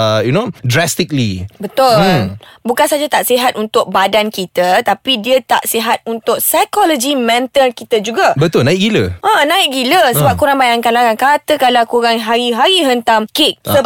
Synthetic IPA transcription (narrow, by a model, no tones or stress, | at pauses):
junodɾast̪ik̚lḭbət̪ʊlbukansad͡ʒat̪aʔsiɦat̪̚unt̪ʊk̚badankit̪ət̪apidiət̪a̰ʔsiɦat̪̚unt̪ʊk̚sajkɔlɔd͡ʒimɛ̃nt̪əlkit̪əd͡ʒuɡabət̪ʊlnãɪʔkɡiləʔanãɪk̚ɡiləsəbap̚kuɾaŋbajaŋkanlaɾaŋkat̪əkalawkuɾaŋɦaɾiɦaɾiɦənt̪amkɪk̚sə